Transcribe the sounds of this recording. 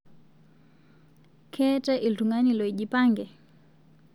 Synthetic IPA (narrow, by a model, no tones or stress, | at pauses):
kʰɛtɛʔiltuŋanilɔiʄipaŋɡɛ